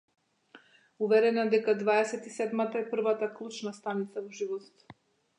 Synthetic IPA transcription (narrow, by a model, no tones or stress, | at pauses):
uvɛɾɛnad̪ɛkad̪vaɛsɛt̪isɛd̪mat̪aɛpr̩vat̪aklˠut͡ʃnast̪anit̪savɔʒivɔt̪t̪